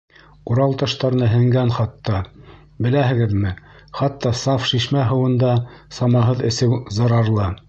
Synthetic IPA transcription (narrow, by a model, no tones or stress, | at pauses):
uɾɑlˠt̪ɑʃt̪ɑɾ̆nɤɦɘ̆ŋɡænχɑt̪ːɑ | bɘ̆læɦɘ̆ɡɘ̆ðmɘ | χɑt̪ːɑsɑfʃiʃmæɦɤ̆wɤ̆nd̪ɑsɑmɑɦɤðɘ̆sɘwzɑ̆ɾɑɾlˠɤ